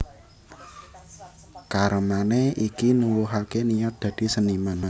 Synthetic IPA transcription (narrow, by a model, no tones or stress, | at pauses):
kaɾəmaneikinuwuɦakenijɔt̪̚d̪̥ä̤d̪̥i̤səniman